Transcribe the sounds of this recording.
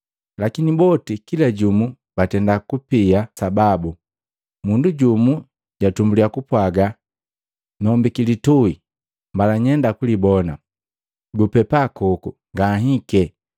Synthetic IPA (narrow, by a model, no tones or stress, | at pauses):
lakinibɔtikilaɟumu | batɛndakupiasababu | munduɟumu | ɟatumbuliakupwaɡa | nɔmbikilitui | mbalaɲɛndakulibɔna | ɡupɛpakɔkuŋɡaɦikɛ